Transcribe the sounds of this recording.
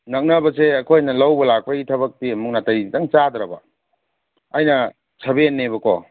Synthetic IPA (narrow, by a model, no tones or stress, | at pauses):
nɐk̚nɐbɐseɐkʰojnɐlawbɐlak̚pɐɡitʰɐβɐk̚timuk̚natɐjdaŋt͡ʃad̪ɾɐbɐ̰ | jnɐ | sʰɐbenːebɐkɔ̰